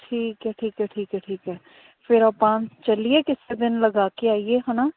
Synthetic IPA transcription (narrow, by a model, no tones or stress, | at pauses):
ʈʰiːkɦɛːʈʰiːkɛːʈʰiːkɛːʈʰiːkɛː | fʰɪɾaːpãːt͡ʃəlieːkɪseːd̪ɪnləɡaːkeaːieːɦənaː